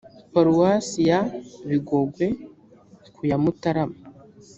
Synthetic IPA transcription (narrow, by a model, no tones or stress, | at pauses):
paɾuwasijaβiɡoɡwe | kujamutaɾama